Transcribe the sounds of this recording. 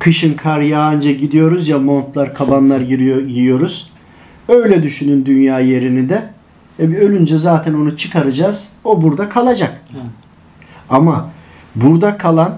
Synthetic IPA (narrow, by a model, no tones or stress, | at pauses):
kʰɯʃɯnkʰaɾjaːnd͡ʒaɟid̪ijo̞ɾuzjamo̞nt̪lˠaɾkʰabanlˠaɾijijo̞ɾuz̥ | ø̞jlʲɛd̪yʃynynd̪ynjaːje̞ɾinid̪ɛ | vɛbiø̞lʲynd͡ʒɛzaːt̪ʰɛno̞nut͡ʃʰɯkʰaɾɯd͡ʒaːz̥o̞buɾd̪akʰalˠad͡ʒak | ama | buɾd̪akʰalˠan